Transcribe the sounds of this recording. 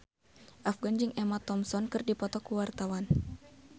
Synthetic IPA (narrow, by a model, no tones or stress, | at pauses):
ʔafɡand͡ʒɨŋɛmat̪ɔmsɔnkɨrdipɔt̪ɔkuwart̪awan